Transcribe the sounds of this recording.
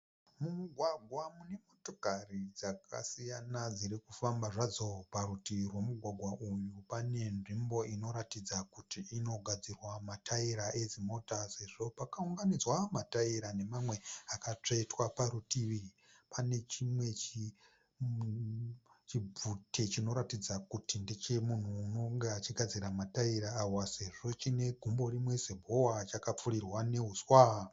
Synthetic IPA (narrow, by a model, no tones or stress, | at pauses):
mumuɡʱwaɡʱwamune̞mo̞to̞karid͡zaka̰sijanad͡ziɾikufambaʐad͡zo̞paɾutiirwo̞muɡʱwaɡʱwaʔujupane̞nʐimbo̞ino̞ɾatid͡zakutiʔino̞ɡʱad͡zirwamatʰaiɾaʔed͡zimo̞tase̞ʐo̞pakauŋɡanid͡zwamataiɾane̞mamwe̞akat͡ʂaitwapaɾutiʋi | pʰane̞t͡ʃimwe̞t͡ʃ | t͡ʃib͡vutʰe̞t͡ʃino̞ɾatid͡zakutindet͡ʃe̞mun̤uːno̞ŋɡeat͡ʃiɡʱad͡ziɾamataiɾaːwase̞ʐo̞t͡ʃine̞ɡʱumbo̞rimwe̞zebʱo̞wat͡ʃakap͡furirwane̞ɦuzwa